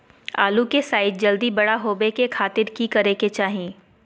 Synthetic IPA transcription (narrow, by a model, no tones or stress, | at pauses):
a̰ːlukesaːɪt̪̚d͡ʒɐld̪ibɐɽaɦoːbekekʰaːt̪ɪɾkikɐɾeket͡ʃaːɦiẽː